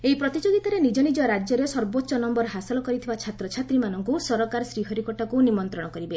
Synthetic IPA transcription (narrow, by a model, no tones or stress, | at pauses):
eipɾɔt̪id͡ʒoɡit̪aɾenid͡ʒɔnid͡ʒɔɾad͡ʒjɔɾesɔɾbotːʃɔnɔmbɔɾɦasɔlɔkɔɾit̪ʰibat͡ʃʰat̪ɾɔt͡ʃʰat̪ɾimanɔŋkusɔɾɔkaɾɔsɾiɦɔɾikɔʈakunimɔnt̪ɾɔɽ̃ɔkɔɾibe